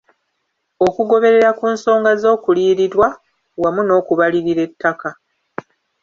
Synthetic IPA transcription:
o̞kuɡo̞βe̞ɾe̞ɾakuːnso̞ːŋɡazo̞ːkuliːɾiɾwa | wamuno̞ːkuβaliɾiɾe̞tːaka

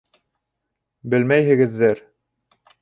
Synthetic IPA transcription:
bɘlmæjɦɘ̆ɡɘ̆ðːɘɾ

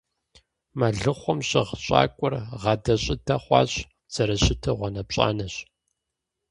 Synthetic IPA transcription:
maɮɨχʷɔmɕɪ̰ʁɕʼa̰ːkʷʼʊrʁɐdɐɕʼɪtʰɐχʷɑ̰ːɕ | t͡sɐɾɐɕɪtʰɐʁʷɔnɐpɕʼa̰ːnɐɕ

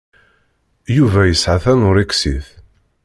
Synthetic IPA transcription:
juvæjəsʕaθænʊɾiksiθ

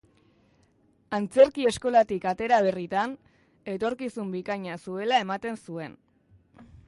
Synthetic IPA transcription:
ant͡se̞ɾkie̞sko̞lat̪ikat̪e̞ɾaβe̞rit̪an | e̞t̪o̞ɾkisumbikaɲasue̞lae̞mat̪e̞nsue̞n

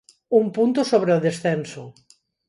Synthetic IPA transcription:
umpunt̪osoβ̞ɾeoðesθenso

